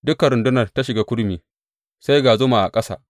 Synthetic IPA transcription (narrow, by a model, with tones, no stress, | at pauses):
dʊ˦kɐ˨ɾʊ˨ndʊ˦nɐ˨rta˦ʃɪ˨ɡaː˦kʷʊ˦ɽmiː˨ | sa˦jɡaː˨zʊ˦ma˨ʔa̰˨kʼɐ˦sa̰ː˨